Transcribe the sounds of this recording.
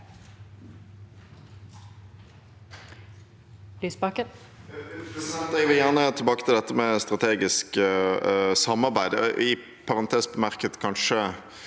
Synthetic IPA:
liːspɑːkə | t̪ɛɡʋɪljæʁnət̪ʰɪlbɑːkə̥t̪ʰɪld̪ɛt̪ːəmɛst̪ʁɑt̪ʰeːɡɪsk | sɑmːɑʁbæɪd̪ʔɪ | pʰɑʁɑnt̪ʰeːspɔmæʁkət̪kʰɑnʃə

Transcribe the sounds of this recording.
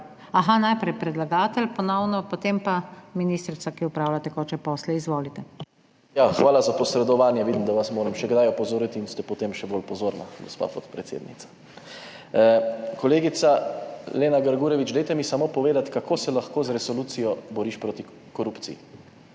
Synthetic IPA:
aɦanajpɾɛjpɾɛd̪laɡaːt̪ɛlpɔnɔwnɔpot̪empaminiːst̪ɾisakiʊpɾaːwlat̪ɛkɔt͡ʃɛpɔːslɛizʋoːlit̪ɛ | jaxʋaːlazapɔsɾɛd̪ɔʋaːnjɛʋiːd̪imd̪aʋasmoːɾɛmʃɛɡd̪ajɔpɔzoːɾit̪iːnst̪ɛpɔt̪emʃɛbolpɔzoːɾna̰ɡospa̰ːpɔt̪pɾɛt̪sjḛːd̪nḭt̪sḁ | kɔleːɡit̪saleːnaɡəɾɡuːɾɛʋit͡ʃd̪ɛjt̪ɛmisamoːpɔʋeːd̪at̪kakʰoːsɛlaxkoːzɾɛsɔluːt̪sijɔbɔɾiːʃpɾoːt̪i | kɔɾupt̪sḭjḭ

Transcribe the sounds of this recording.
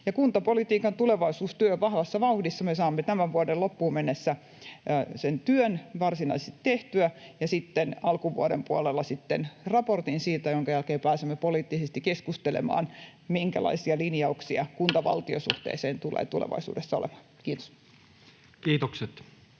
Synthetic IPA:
jɑkunt̪ɑpolit̪iːkɑnt̪uleʋɑisuːst̪yøʋɑhʋɑsːɑʋɑuhdisːɑmesɑːmːet̪æmæʋʋuɑdelopːuːmenːesːæ | sent̪yønʋɑrsinɑiset̪t̪eht̪yæjɑsit̪ːenɑlkuʋṵɑdḛmpuɑlelːɑsit̪ːenrɑport̪insiːt̪æjoŋkɑjælkeːpæːsemːepoliːt̪ːisest̪ikeskust̪elḛmɑ̰ːn | miŋkæ̰lɑ̰isiɑlinjɑuksiɑkunt̪ɑʋɑ̰lt̪iosṵht̪ḛːseːnt̪ulḛːt̪ulḛʋɑ̰isṵːdesːɑolḛmɑ̥nkiːt̪o̥s | kiːt̪okset̪

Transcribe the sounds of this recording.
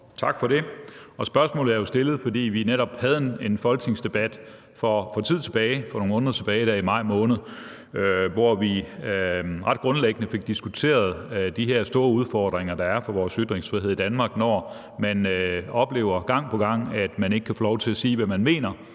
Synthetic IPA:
t͡sʰɑ̈ɡ̥fɒ̽ɾe̝ɒ̽sb̥ɶɐsmɔ̰̽l̩ˠæɐjo̝sd̥e̝lð̞̩ˠfɒ̽d̥ḭːʋineɾɒ̽b̥hæð̞ˠene̝nfɒ̽lɡ̥ne̝ŋsd̥e̝b̥æd̥ | fɒfɒ̽t͡sʰið̞̰ˠt͡sʰe̝b̥ɛːɪfɒnoŋmɔ̽ːnðˠɐt͡sʰe̝b̥ɛːɪɾ̥æɐimɑ̈ɪ̰mɔ̽ːnð̩ˠ | øʋɒʋi | ʁɑ̈d̥̚ɡ̥ʁɔ̽nleɡ̥ənəfe̝ɡ̥̚d̥isɡ̥ut͡sʰe̝̰ːɐð̞̩ˠd̥iɦeɐ̰sd̥o̝ːɐuð̞ˠfɒːd̥ʁeŋɐd̥ɑ̈æɐfɒ̽ʋɒːsyd̥ʁeŋsfʁiheð̰ˠid̥ænmɑ̈ːɡ̥nɒɐ | mænøɒ̽b̥le̝̰ːʊɐɡ̥ɑ̈ŋ̰pʰɒ̽ɡ̥ɑ̈ŋ̰æd̥mæne̝ɡ̥ə̥kʰæfo̝ːlɒʊt͡sʰe̝læsiːʋæmænme̝̰ːnɐ

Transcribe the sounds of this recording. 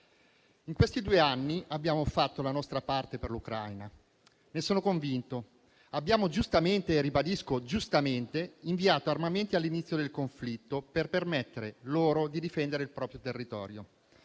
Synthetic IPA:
iŋkwest̪id̪uːeanːiʔabːjaːmofat̪ːolanɔst̪ɾapart̪eperlukɾajna | nesoːnokoɱvint̪o | abːjaːmod͡ʒust̪ament̪eːrːibad̪iskod͡ʒust̪ament̪eiɱviaːt̪oarmament̪ialːinit̪sjod̪elkoɱflit̪ːoperpermet̪ːeɾeloːɾod̪id̪ifɛnd̪eɾeilpɾɔːpɾjot̪erːit̪ɔ̰ːɾjo

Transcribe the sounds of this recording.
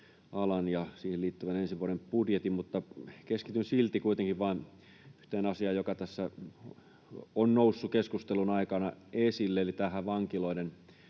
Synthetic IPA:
ʔɑlɑnjɑsiːheliːt̪ːyʋænensiʋuoɾempudjet̪immut̪ːɑkeskit̪ynsilt̪ikuit̪eŋkiʋʋɑːn | yht̪eːnɑsiɑːjokɑt̪æsːæ | onnousːukeskust̪elunɑikɑnɑesilːeelit̪æːhæʋɑŋkiloinen

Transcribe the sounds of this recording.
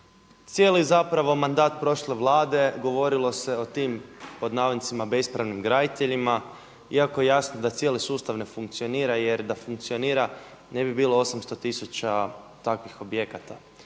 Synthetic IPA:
t̪sije̞ːlizapɾaʋo̞mand̪aːt̪pɾo̞ʃle̞ʋlˠaːd̪e̞ɡo̞ʋo̞ɾilˠo̞se̞o̞t̪iːmpo̞d̪naʋod̪nt̪simabe̞spɾaʋnimɡɾad̪it̪eʎima | iako̞je̞jasnod̪at̪sjelisuːst̪aʋne̞fuŋkt̪sio̞niːɾaje̞ɾd̪afuŋk̚t̪sio̞niːɾa | ne̞bibiːlˠo̞osamst̪o̞t̪isut͡ʃa | t̪akʋixo̞bje̞kat̪a

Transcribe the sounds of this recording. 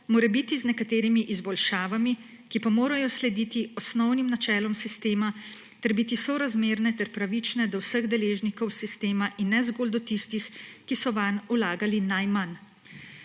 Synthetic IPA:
moːɾɛbit̪iznɛkat̪eːɾimiʔizbɔlʃaːʋami | kipamoːɾajɔslɛd̪iːt̪iɔsnɔwnimnat͡ʃɛːlɔmsist̪eːma | t̪ɛɾbit̪isɔɾazmeːɾnɛt̪ɛɾpɾaʋit͡ʃnɛd̪ɔwsəɣd̪ɛleːʒnikɔwsist̪eːmaʔinːɛzɡoːld̪ɔt̪ist̪ixkisɔʋanulaːɡalinajman

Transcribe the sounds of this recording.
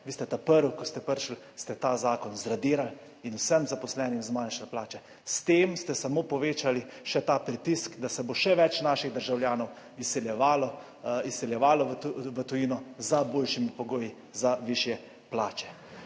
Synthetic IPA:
ʋiːst̪ɛt̪apəɾukɔst̪ɛpəɾʃəl | st̪ɛt̪azaːkɔnzɾad̪iːɾal | inusəmzapɔslɛːnimzmanʃalplaːt͡ʃɛ | st̪eːmst̪ɛsamoːpɔʋeːt͡ʃaliʃɛt̪apɾit̪iskd̪asɛboʃɛʋɛt͡ʃnaːʃiɣd̪əɾʒawljaːnɔw | isɛljɛʋalɔ | isɛljɛʋaːlɔʋət̪ɔjiːnɔzaboːlʃimipɔɡoːji | zaʋiːʃjɛ | plaːt͡ʃɛ̥

